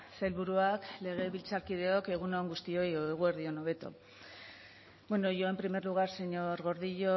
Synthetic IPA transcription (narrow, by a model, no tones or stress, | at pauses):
selβuɾuakle̞ɣ̞e̞βilt͡saɾkið̞e̞o̞ke̞ɣ̞unoŋɡust̪io̞joeɣ̞ue̞ɾð̞io̞no̞β̞e̞t̪o̞̰ | bweno̞ʝo̞e̞mpɾime̞ɾluɣ̞aɾse̞ɲo̞ɾɣo̞ɾðiʎo̞